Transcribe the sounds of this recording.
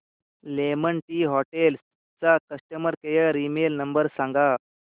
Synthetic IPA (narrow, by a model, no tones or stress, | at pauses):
leməɳʈiːɦɔʈels | t͡sakəsʈəməɾkejəɾimelnəmbəɾsãŋɡa